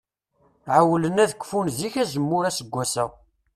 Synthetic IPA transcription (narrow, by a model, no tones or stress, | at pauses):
ʕawələnæðəkʷːfunziçæzəmːʊɾæsəɡʷːæsæ